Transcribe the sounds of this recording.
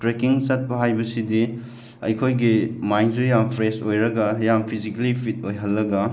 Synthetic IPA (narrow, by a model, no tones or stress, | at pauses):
tɾekiŋsɐt̚pɐɦajbɐsidi | ɐ̰jkʰojɡimajnzujampʰɾesojɾɐɡɐjampʰizikɐlipʰit̚ojɦɐlːɐɡɐ